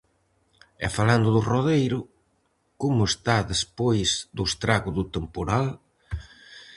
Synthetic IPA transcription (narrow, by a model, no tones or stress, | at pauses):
ɛ̰faland̪ʊðʊroðejɾʊ | komʊest̪aðespojzðʊest̪ɾaɣʊðʊt̪empoɾal